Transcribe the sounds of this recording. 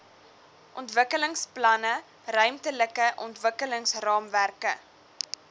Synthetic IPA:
ʔɔntvəkələŋsplɐnə | rœɥmtələkəʔɔntvəkələŋsrɑːmværkə

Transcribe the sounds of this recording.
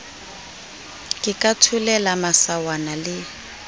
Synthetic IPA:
kʼɪkʼatʰʊlɛlamasawanalɪ

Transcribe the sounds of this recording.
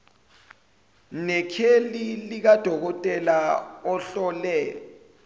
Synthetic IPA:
nɛkʰelilik̬ad̥ʱɔk̬ɔtʼɛlaɔɬɔlɛ

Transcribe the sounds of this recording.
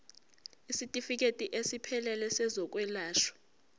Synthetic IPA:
isitʼifik̬ʼetʼiʔesipʰɛlɛlɛsɛzɔk̬ʼwɛlaːʃɔ̥

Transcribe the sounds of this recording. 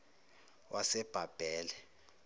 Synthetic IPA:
wʔasɛb̥ʱab̥ʱɛːlɛ

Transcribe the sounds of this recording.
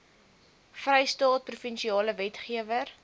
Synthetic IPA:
frɛjstɑːt̚prufənʃiɑːləvɛtχiəvər

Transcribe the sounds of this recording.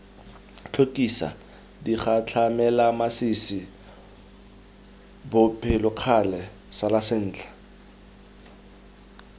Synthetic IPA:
t͡ɬʰokʼisa̰ | diχat͡ɬʰamɛlamasisɪ | bʊpʰɪlʊq͡χʰalɛ | salasɪn̩ːt͡ɬʰʼḁ

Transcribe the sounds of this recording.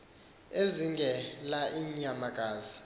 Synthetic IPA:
eziŋɡʱɛlaʔiɲamaɡ̥ʱʼaːzi

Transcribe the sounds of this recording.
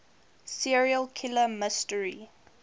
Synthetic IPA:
siɹiəlkʰɪləmɪstəɹi

